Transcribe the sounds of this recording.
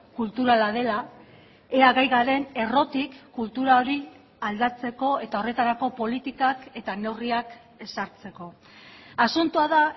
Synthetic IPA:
kult̪uɾalað̞e̞la | eaɣajɣaɾe̞ne̞ro̞t̪ikːult̪uɾao̞ɾi | ald̪at͡se̞ko̞e̞t̪ao̞re̞t̪aɾako̞po̞lit̪ikake̞t̪ane̞wriak | e̞saɾt͡se̞ko̞ | asunt̪uaða

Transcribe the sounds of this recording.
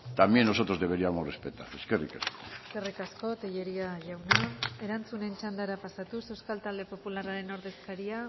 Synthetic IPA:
t̪amjenno̞so̞t̪ɾo̞zðe̞βe̞ɾiamosrespet̪a̰ɾeskerḭkesko̥eske̞rikasko̞t̪eʎe̞ɾiaʝawnae̞ɾant͡sune̞nt͡ʃand̪aɾapasat̪use̞wskalt̪ald̪e̞po̞pulaɾaɾe̞no̞ɾðe̞skaɾia

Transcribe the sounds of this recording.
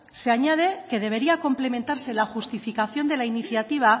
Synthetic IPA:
se̞aɲað̞e̞ke̞ðe̞β̞e̞ɾiako̞mplemẽ̞nt̪aɾse̞laxust̪ifikaθjo̞nd̪e̞lainiθjat̪iβ̞a

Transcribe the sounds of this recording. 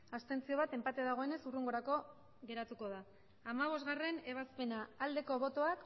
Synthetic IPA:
ast̪e̞nt͡sio̞βat̪e̞mpat̪eaðaɣ̞o̞e̞ne̞suruŋɡo̞ɾako̞ | ɣe̞ɾat̪uko̞ðaː | maβ̞o̞zɣare̞ne̞β̞aspe̞naːld̪e̞ko̞βo̞t̪o̞ak

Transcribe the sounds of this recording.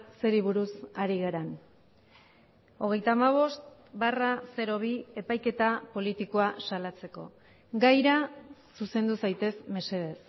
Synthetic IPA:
se̞ɾiβ̞uɾusaɾiɣaɾan | o̞ɣ̞e̞jt̪aːmaβ̞o̞st̪barase̞ɾo̞β̞ie̞pajke̞t̪apo̞lit̪ikoasalat͡se̞ko̞̰ | ɡajɾasuse̞nd̪usajt̪e̞sme̞se̞ð̞e̞s

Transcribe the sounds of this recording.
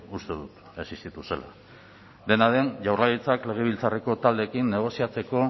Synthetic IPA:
ust̪e̞ðut̪ | e̞sist̪it̪use̞̰la̰ | d̪e̞naðe̞nʝawrlaɣit͡sakle̞ɣ̞e̞β̞ilt͡sare̞ko̞t̪ald̪e̞ːkinːe̞ɣ̞o̞siat͡se̞ko̞

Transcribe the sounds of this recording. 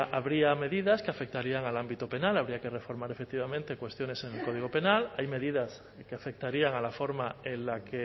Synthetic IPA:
aβɾiame̞ðiðaskeafe̞k̚t̪aɾiaŋalambit̪ope̞nalaβ̞ɾiake̞re̞fo̞ɾmaɾe̞fe̞k̚t̪iβamẽnt̪e̞kwe̞st̪jone̞se̞ŋelko̞ð̞iɣo̞pe̞nalajme̞ðiðas | keafe̞k̚t̪aɾiaŋalafo̞ɾmaenlake

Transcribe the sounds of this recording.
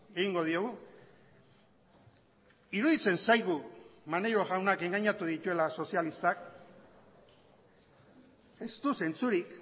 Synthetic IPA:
e̞ɣiŋɡo̞ð̞io̞ɣ̞u | iɾuðit͡se̞nsajɣumanejɾo̞ɣawnake̞ŋɡaɲat̪uðit̪ue̞laso̞sialist̪ak | e̞st̪use̞nt͡suɾik

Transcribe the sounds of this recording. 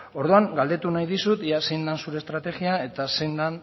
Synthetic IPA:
o̞ɾðuaŋɡald̪e̞t̪unajðisut̪iase̞jnd̪ansuɾe̞ːst̪ɾat̪e̞ɣiae̞t̪ase̞jnd̪an

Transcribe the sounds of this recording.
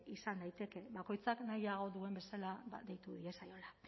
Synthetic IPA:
isand̪ajt̪e̞ke̞βako̞jt͡saknajaɣ̞o̞ðue̞mbe̞salaβa̰d̪e̞jt̪uðie̞sajo̞la

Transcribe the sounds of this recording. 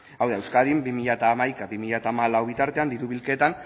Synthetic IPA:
awðaewskaðimbimiʎat̪aːmajkaβimiʎat̪aːmalawβit̪aɾt̪e̞and̪iɾuβilke̞t̪an

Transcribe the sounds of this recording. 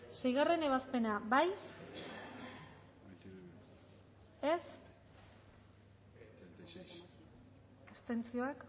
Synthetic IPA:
se̞jɣ̞are̞ne̞βaspe̞nabajs | e̞s | est̪e̞nt͡sio̞ak

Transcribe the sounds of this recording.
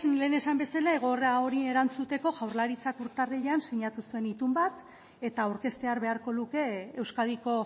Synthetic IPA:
le̞ːne̞sambe̞salae̞ɣ̞o̞reao̞ɾieɾant͡sut̪e̞ko̞ʝawɾlaɾit͡sakuɾt̪areʎeansiɲat̪usue̞nit̪umbat̪ | e̞t̪auɾke̞st̪e̞aɾβe̞aɾko̞luke̞ːwskaðiko̞

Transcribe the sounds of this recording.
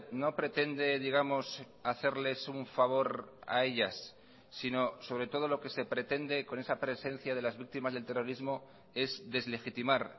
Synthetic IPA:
no̞pɾe̞t̪e̞nd̪e̞ðiɣ̞amo̞s | aθe̞ɾle̞suɱfaβ̞o̞ɾa̰e̞ʎasː | ino̞so̞β̞ɾe̞t̪o̞ð̞olo̞ke̞se̞pɾe̞t̪e̞nd̪e̞ko̞ne̞sapɾe̞se̞n̟θjað̞e̞lazβik̚t̪imazðelt̪e̞ro̞ɾizmo̞ | e̞zðe̞zle̞xit̪imaɾ

